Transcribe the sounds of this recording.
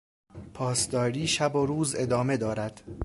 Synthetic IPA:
pʰɒːsd̪ɒːɾiːʃæboɾuːze̞d̪ɒːme̞d̪ɒːɾæd̪̥

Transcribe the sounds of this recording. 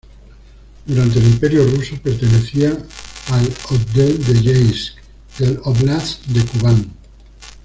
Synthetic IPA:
d̪uɾant̪̬elimpe̞ɾjorusope̞ɾt̪e̞ne̞θiaːlod̪eld̪e̞ʝejs | d̪eloβlaθd̪e̞kuβan

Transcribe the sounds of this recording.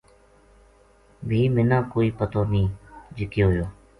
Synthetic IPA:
bʱiːmɪnãːkoːiːpət̪oːnĩːd͡ʒɪkeɦojoː

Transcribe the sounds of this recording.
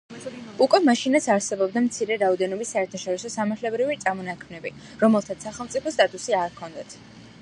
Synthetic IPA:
ukʼwɛmaʃinat̪sʰaɾsɛbɔb̚d̪amt̪sʰiɾɛɾaɔd̪ɛnɔbisːaɛɾt̪ʰaʃɔɾisɔsamaɾt̪ʰlɛbɾivit̪sʼamɔnakʰmnɛbi | ɾɔmɛlˠt̪ʰat̪saχɛlˠmt̪sʼipʰɔst̪ʼat̪ʼusiaɾkʰɔnd̪at̪ʰ

